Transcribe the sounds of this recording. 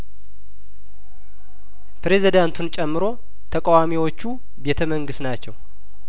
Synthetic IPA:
pɾe̞zid̪ant̪ʰunt͡ʃʼɛmːɨɾo̞ | t̪ʰəkʼawamiwo̞t͡ʃːu | be̞t̪ʰəməŋɡɨst̪nat͡ʃːɛw

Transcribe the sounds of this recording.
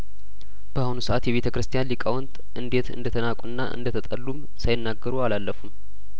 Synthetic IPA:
b̥əʔahunusəʔat̪jɛβe̞t̪ʰəkɾɨst̪ʰijanlikʼawɔnt̪ʼʔɨnd̪e̞t̪ʰɨ̰nd̪ət̪ʰənakʷʼunːaʔɨ̰nd̪ət̪ʰət̪ʼəlːum | sajɪnːaɡːəɾualalːəfum

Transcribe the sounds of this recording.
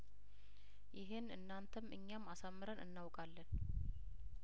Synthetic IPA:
jɪɦɪnɨnːant̪ʰəmɨ̰ɲːamːasamːɨɾənɨ̰nːawkʼalːən

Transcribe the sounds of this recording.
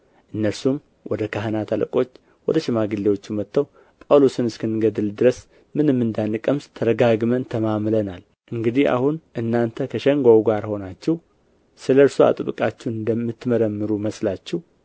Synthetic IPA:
ʔɨnːəɾsum | wɔd̪əkʰaɦənat̪ʰalə̰kʼo̞t͡ʃː | wɔd̪əʃɪmaɡɨlːewo̞t͡ʃːumːət̪ʰːəw | pʼəlosɨnɨskʰɨnːɡəd̪ɨld̪ɨɾəs | mɨnɨmːɨnd̪anːɨkʼəmst̪ʰəɾəɡaɡmənt̪ʰəmamlənal | ʔɨŋɡɨd̪iha̰hunʔɨnːant̪ʰəkʰəʃɛŋɡʷawɡaɾho̞nat͡ʃːɛw | sɨləɾsua̰t̪ʼɨβɨkʼat͡ʃːunɨnd̪əmːɨt̪ːməɾəmːɨɾuməslat͡ʃːɛh

